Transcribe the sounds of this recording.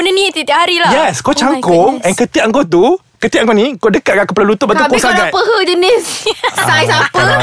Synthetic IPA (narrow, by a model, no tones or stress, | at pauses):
ənənĩt̪it̪iaʔhaɾilajɛskot͡ʃaŋkɔŋɛ̃nkət̪iʔaŋɡɔt̪̬u | kət̪iʔaŋɡɔnĩkɔdəkat̪̚kaʔkəpəlalut̪ʊpbat̪ukɔsaɡapəɦəd͡ʒənɪssajsapə